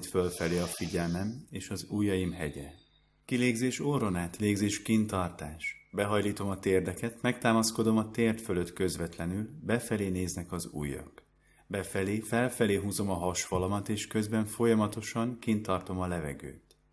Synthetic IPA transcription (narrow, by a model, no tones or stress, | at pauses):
t̪følfɛleːɒfiɟɛlmɛmeːʃɒzuːjːɒjimɦɛ̰ɟɛ̰ | kileːɡzeːʃoɾo̞naːt̪leːɡzeːʃkint̪ɒrt̪aːʃbɛɦɒjliːt̪o̞mɒt̪eːrd̪ɛkɛt̪mɛk̚t̪aːmɒsko̞d̪o̞mɒt̪eːrt̪fø̞lø̞t̪kø̞zʋɛt̪lɛnylbɛfɛleːneːznɛkɒzṵːjːɒ̰k | bɛfɛleːfɛlfɛleːɦuːzo̞mɒɦɒʃfɒlɒmɒt̪eːʃkø̞zbɛɱfo̞jɒmɒt̪o̞ʃɒŋkint̪ɒrt̪o̞mɒlɛvɛ̰ɡø̰ːt̪